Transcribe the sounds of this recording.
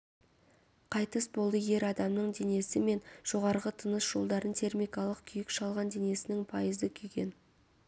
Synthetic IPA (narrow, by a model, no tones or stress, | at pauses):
qʰɑjt̪əsbo̞lˠəje̞ɾɑd̪ɑmnəɴd̪e̞ne̞sɪme̞nʒ̥o̞ʁɑɾʁət̪ʰənəsʒ̥o̞lˠd̪ɑɾənt̪ʰe̞rmʲijkɑlˠəq̚kʲʰʏjɪkʃɑlˠʁɑnd̪e̞ne̞sɪnɪŋpʰɑjəzd̪əkʲʰʏjɡʲe̞̰n